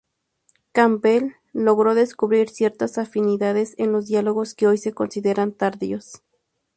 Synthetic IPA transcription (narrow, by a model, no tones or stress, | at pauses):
kambelː | o̞ɣɾo̞ðe̞skuβɾiɾsje̞ɾt̪asafiniðaðe̞senlo̞zðjaloɣo̞skeojse̞ko̞nsiðeɾant̪aɾðios